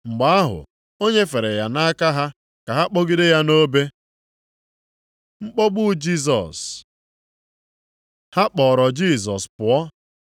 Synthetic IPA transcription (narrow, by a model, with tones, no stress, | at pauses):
ŋ͡m̩˨ɡ͡ba˨˦a˦ɦʊ̰˨ | o˦ɲe˦fe˨ɾe˨ja˨na˦ka˦ɦa˦ | ka˨ɦa˦k͡po˦ɡi˦de˦ja˦no˦be˦ | ŋ͡m̩˦k͡pɔ˦ɡ͡bʊ˦d͡ʒi˦s̬ɔ̰˨s | ha˦k͡pɔː˨ɾɔ˨d͡ʒi˦˨s̬ɔ˨spʊ˨ɔ˦